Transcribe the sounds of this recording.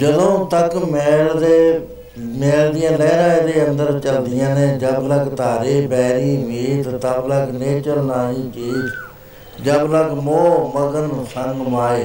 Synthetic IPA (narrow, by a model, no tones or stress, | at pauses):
d͡ʒəd̪õːt̪əkmɛːld̪eː | mɛːld̪ɪjãːlɛːɾaːeːd̪eːənd̪əɾt͡ʃəld̪ɪjãːnẽːd͡ʒəbləɡt̪aːɾeːbɛːɾiːʋiːt̪t̪əbləɡneːt͡ʃəlnaːiːt͡ʃiːt̪ | d͡ʒəbləɡmoːməɡənsəŋɡmaːeː